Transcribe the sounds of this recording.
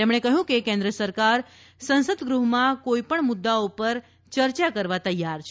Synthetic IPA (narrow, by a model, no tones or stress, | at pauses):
emɳ̃ekəɦjũkekẽnd̪ɾəsəɾkaɾ | sə̃nsəd̪ɡɾuɦmãkoipəɳmʊd̪ːaopəɾ | t͡ʃəɾt͡ʃakəɾʋat̪əjːaɾt͡ʃʰ